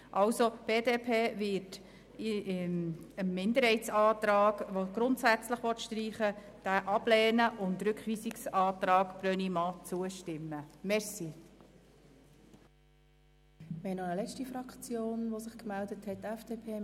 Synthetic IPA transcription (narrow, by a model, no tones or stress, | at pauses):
ʔɑwsob̥eːdeːpʰeːʋɪt | ənmɪnd̪əɾhɛɪtsɑːt̪ɾɑːɡ̥ʋoɡ̥ɾʊntsæt͡sləχʋɔtʃtɾiːχə | d̥æʔɑb̥lɛːnəʔʊntɾʉkχʋiːsɪksɑːtɾɑːɡ̥b̥ɾœnimɑt͡suəʃtɪmːəmɛɾsi | mɛnɔəlɛt͡ʃtifɾɑkʰt͡sjoːnʋosɪχkmældəthɛtːɛfd̥eːpʰeː